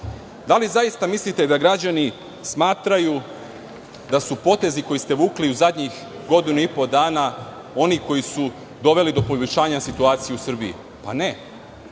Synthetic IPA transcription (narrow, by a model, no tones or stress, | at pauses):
d̪alizajist̪amislit̪e̞d̪aɡɾad͡ʑani | smaːt̪ɾaju | d̪asupo̞t̪e̞ziko̞jist̪e̞ʋuːkliuzad̪ɲix | ɡo̞d̪inuipo̞d̪aːna | o̞niko̞jisu | d̪o̞ʋe̞lid̪o̞po̞uit͡ʃaːɲasit̪uaːt̪sijeusr̩biḭ | pa̰ne